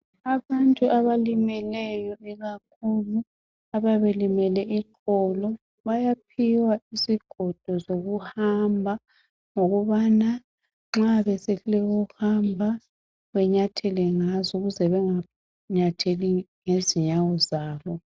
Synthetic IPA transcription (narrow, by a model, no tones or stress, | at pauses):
aβantʼuʔaβalimɛlɛjɔiɣakʰulu | aβaβelimɛlɛʔikɔlɔ | βajapʰiwaisiɡ̥ʱɔd̥ʱɔzoɣuhambʱa | ŋoɣuβana | ŋ͡ǁaβɛsɛɬlɛwɔhambʱa | βɛɲatʰɛlɛŋazɔɣuzɛβɛŋa | ɲatʰeliŋeziɲawɔzaːβɔ